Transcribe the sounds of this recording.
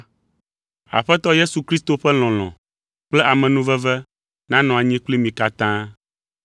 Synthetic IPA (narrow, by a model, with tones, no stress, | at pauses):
a̰˨ɸɛ˦t̪ɔ˦je˦su˨kɾi˦st̪o˨ɸɛ˦l̃ɔ̃˨l̃ɔ̰̃˨ | k͡plɛ˦ʔa˨mɛ̃˨nũ˦vɛ˦vɛ˦ | nã˦nɔ̃˨a˨ɲĩ˦k͡pli˦mĩ˨ka˨t̪ã˦